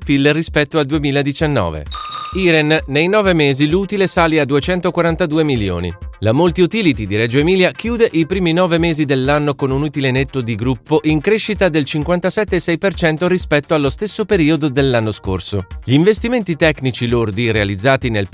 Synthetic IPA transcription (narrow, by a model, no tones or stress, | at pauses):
pilrispɛt̪ːoald̪uemiːlaed̪it͡ʃanːɔ̰ːvḛiːɾenːejnɔːvemeːziluːt̪ilesaːliad̪uet͡ʃɛnt̪okwaɾant̪ad̪uːemiljo̰ːnḭlamolt̪iut̪iːlit̪id̪iɾɛd͡ʒoemiːljakjuːd̪eʔipɾiːminɔːvemeːzid̪elːanːokonunut̪ilenet̪ːod̪iɡɾupːoʔiŋkɾeʃːit̪ad̪elt͡ʃiŋkwant̪asɛt̪ːesɛjpert͡ʃɛnt̪oɾispɛt̪ːoalːost̪esːopeɾiːod̪od̪elːanːoskorsoʎiːɱvest̪iment̪it̪ɛkːnit͡ʃilord̪irealid̪zːaːt̪inel